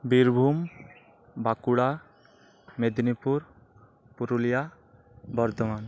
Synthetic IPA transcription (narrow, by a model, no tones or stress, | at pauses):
biɾbʱum | bakuɽa | med̪nipuɾ | puɾulija | bɔɾd̪ɔman